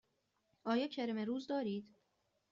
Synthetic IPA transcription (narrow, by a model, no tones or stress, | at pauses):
ʔɒːjɒːcʰeɾemeɾuːzd̪ɒːɾiːd̪̥